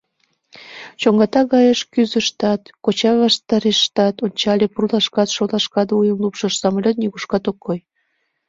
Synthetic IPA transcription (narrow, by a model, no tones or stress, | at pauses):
t͡ɕoŋɡɑt̪ɑɣɑjəʃkyzəʃt̪ɑt̪kot͡ɕɑβɑʃt̪ɑɾeʃːt̪ɑt̪onʲt͡ɕɑlʲepurlɑʃkɑt̪ʃolɑʃkɑd̪ujəmlupʃəʃsɑmlʲot̪̚nʲiɣuʃkɑt̪okːoj